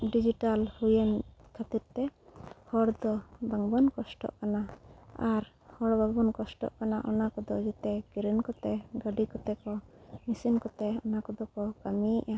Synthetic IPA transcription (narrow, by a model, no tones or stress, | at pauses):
ɖid͡ʒiʈalhujɛnkʰat̪iɾt̪ɛhɔɽd̪ɔbaŋbɔnkɔsʈɔ̰ʔkanaaɾ | hɔɽbaŋbɔnkɔsʈɔ̰ʔkanaʔɔnakɔd̪ɔd͡ʒɛt̪ɛɡiɾənkɔt̪ɛɡəɖikɔt̪ɛkɔmisinkɔt̪ɛɔnakɔd̪ɔkɔkamiʔa